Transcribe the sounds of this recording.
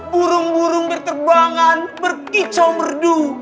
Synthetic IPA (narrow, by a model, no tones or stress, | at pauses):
buɾʊŋbuɾʊŋbərkərbuaŋanbərkit͡ʃɔmərdu